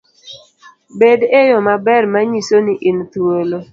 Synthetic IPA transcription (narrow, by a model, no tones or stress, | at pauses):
bedejɔmabɛrmaɲisoniʔɪnt̪wolo